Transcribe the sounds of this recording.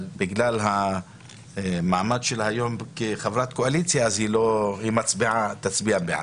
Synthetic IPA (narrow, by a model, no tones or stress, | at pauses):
biɡlalɦa | maʕmadʃelhajo̞mkeχavɾat̪koalit͡sjaːzhilohimat͡sbiʕat̪at͡sbiabeʕa̰